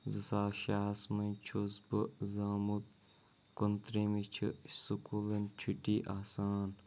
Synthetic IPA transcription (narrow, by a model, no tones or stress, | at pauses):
zɐsaːʃaːsmɐnt͡ʃʰuzbɨzaːmut̪̚ | kont̪ɾeːmit͡ʃʰḭsukulɐnt͡ʃʰuʈiːʔaːsaːn